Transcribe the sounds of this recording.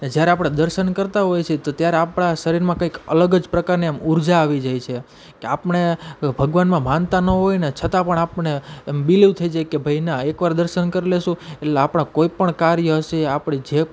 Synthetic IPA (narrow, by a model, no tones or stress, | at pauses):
ned͡ʒjaɾeapɽ̃ad̪əɾʃənkəɾt̪aɦojt͡ʃʰet̪ot̪jaɾeapɳ̃aʃəɾiɾmãkəikə̰ləɡəd͡ʒpɾəkaɾniamuɾd͡ʒaːʋid͡ʒajt͡ʃʰe | keapɳebʱəɡʋanmãmãnt̪anəɦojnet͡ʃʰət̪ãpəɳapɳeːmbiliʋt̪ʰəid͡ʒajkebʱəinaekʋaɾd̪əɾʃənkəɾeleʃũetleapɳ̃akoipəɳkaɾjəɦəʃeapɳ̃id͡ʒe